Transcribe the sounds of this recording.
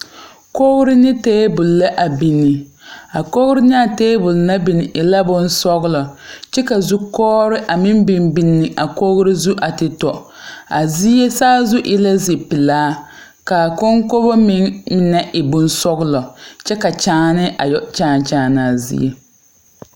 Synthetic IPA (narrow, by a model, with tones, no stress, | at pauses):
ko˦ɣɾɪ˦nɪ˦teː˦bʊ˨lːa˦ʔa˨bi˨nːɪ˨ | a˨ko˦ɣɾɪ˦nɪ˦a˨teː˦bʊ˨lna˦bi˨nɪ˨ʔɪ˨la˦bʊ˦n˦sɔ˦ɣlɔ˨t͡ʃɛ˦ka˨zu˦kɔː˦ɾɪ˦ʔa˨mɪ˦m˦bɪ˦mbi˨nːɪ˨ʔa˨ko˦ɣɾɪ˦zu˦ʔa˨tɪ˨tɔ˨ | a˨zi˦e˦saː˦zʊ˦ʔɪ˦la˦zi˨pɪ˨laː˦ | ka˨ko˦ŋko˦bo˦mɪ˦mɪ˨nɛ˦ʔɪ˨bʊ˦n˦sɔ˦ɣʊ˦lɔ˨t͡ʃɛ˦ka˨t͡ʃaː˦nɪ˦ʔa̰˨jɔ˦˨t͡ʃaː˦˨n˨t͡ʃaː˨˦˨na˨zḭ˦ḛ˦